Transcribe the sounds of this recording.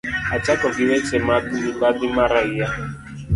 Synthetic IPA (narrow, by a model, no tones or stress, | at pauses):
at͡ʃakɔɡɪwɛt͡ʃɛmaduibadɪmaɾaija